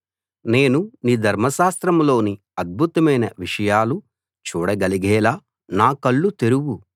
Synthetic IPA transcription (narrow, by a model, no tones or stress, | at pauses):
ne̞ːnuniːd̪ʱɐɾmɐʃaːst̪ɾɐmlo̞ːni | ɐd̪̚bʱut̪ɐmɐjnɐʋiʂɐjaːlu | t͡ʃuːɽɐɡɐliɡɛːlaː | naːkɐɭːut̪e̞ɾuwu